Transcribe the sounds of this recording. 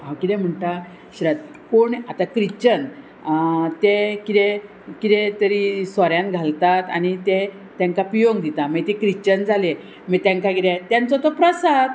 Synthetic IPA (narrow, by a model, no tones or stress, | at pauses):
ɦawkit̪ɛm̤əɳʈ̪a | ɕɾat̪̚ | koɳat̪akɾit͡ɕən | t̪ekit̪e | kit̪et̪əɾisʋaɾjãnɡʱalt̪at̪anit̪e | t̪jãŋkapɾijoɡd̪it̪amət̪ekɾit͡ɕənd͡zale | mət̪jãŋkaɡiɾɛt̪jãnt͡sɔt̪ɔpɾəsad̪